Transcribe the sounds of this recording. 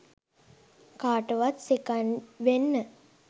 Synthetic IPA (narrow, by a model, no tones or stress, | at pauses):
kaːʈəʋat̪sikanʋenːə